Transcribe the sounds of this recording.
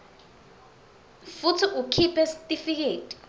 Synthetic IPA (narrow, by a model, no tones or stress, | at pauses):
futʰiʔukʰipʰɛstʼifiketʼ